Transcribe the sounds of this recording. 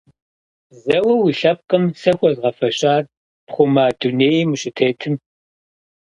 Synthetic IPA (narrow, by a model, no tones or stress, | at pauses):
zɐwɐwiːɬɐp̚qʼɐmsɐxʷɔzʁɐfɐɕʼaːr | pχʷʊmaːduneːjimuɕʼɪtʰeːtʰɨm